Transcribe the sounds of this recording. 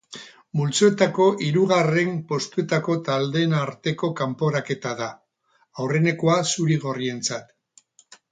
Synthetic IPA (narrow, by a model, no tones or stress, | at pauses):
mult͡soe̞t̪ako̞ʔiɾuɣare̞mpo̞st̪ue̞t̪ako̞t̪ald̪e̞ːnaɾt̪e̞ko̞kampo̞ɾake̞t̪aða | awre̞ne̞ko̞asuɾiɣ̞o̞rie̞nt͡sat̪